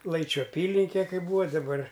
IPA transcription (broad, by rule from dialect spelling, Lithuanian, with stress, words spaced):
ˈlˠɐɪt͡ʃʲuː ɐˈpʲiːlʲɪŋʲkʲɛ kɐɪ ˈbuːʋɐ dɐˈbɐr